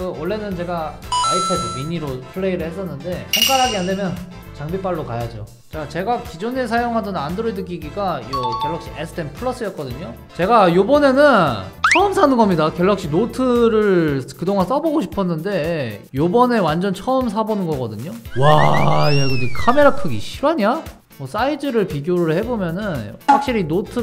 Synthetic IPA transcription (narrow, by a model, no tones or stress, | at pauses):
kɯwʌɭːe̞nɯnt͡ɕe̞ɡaaipʰedimiɲiɾopʰɯɭːe̞iɾɯɭhes͈ʌnːɯnde̞pʰjʌŋk͈aɭɦaɡiande̞mjʌn | t͡ɕaŋbip͈aɭːokajad͡ʑo | t͡ɕat͡ɕe̞ɡakid͡ʑone̞sʰajoŋɦadʌnandɾoidɯk͈iɡiɡaiʌkjʌɭːʌkɕ͈iesʰɯ̥tʰenpʰɯɭːʌs͈ɯjʌt̚k͈ʌdɯɲo | t͡ɕe̞ɡajobʌne̞nɯnt͡ɕʰʌɯmsʰanɯnɡʌmɲidakjʌɭːak̚ɕ͈inotʰɯɾɯɭkɯdoŋans͈ʌboɡoɕʰi̥pʰʌnːɯnde̞jobʌne̞wand͡ʑʌnt͡ɕʰʌɯms̬ʰabonɯnɡʌɡʌdɯɲowajaɡodikʰame̞ɾakʰɯɡḭɕʰiɾwaɲa | mʌs͈aid͡ʑɯɾɯɭpiɡjoɾɯɭhe̞bomjʌnɯnak̚ɕ͈iɾinotʰɯ